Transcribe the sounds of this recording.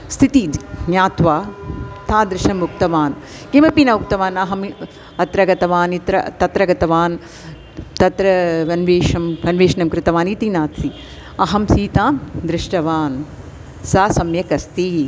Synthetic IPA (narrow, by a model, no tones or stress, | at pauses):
st̪ʰit̪injaːt̪ʋaːt̪ʰaːd̪ɾɪʃɐmːuk̚t̪ɐʋaːn | kimɐpinɐuk̚t̪ɐʋaːnɐɦɐm | ɐt̪ɾɐɡɐt̪ɐʋaːnit̪ɾɐ̰t̪ɐt̪ɾɐɡɐt̪ɐʋaːn | t̪ɐt̪ɾɐʋɐnʋeːʃɐmʋɐnʋeːʃɐnɐmkɾɪt̪ɐʋaːniːt̪inaːt̪si | ɐɦɐmsiːt̪aːmd̪ɾɪʂʈɐʋaːn | saːsɐmjɐkɐst̪i